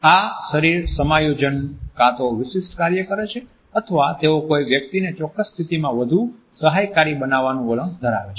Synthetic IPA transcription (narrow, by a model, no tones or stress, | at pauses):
aʃəɾiɾsəmajod͡ʒənkat̪oʋɪʃɪsʈkaɾjəkəɾet͡ʃʰe | ət̪ʰəʋat̪eokojʋjək̚t̪inet͡ʃɔkːəsːt̪ʰit̪imãʋəd̪ʱu | səɦajkaɾibənaʋːanũələ̃ŋɡd̪ʱəɾa̰ʋet͡ʃʰe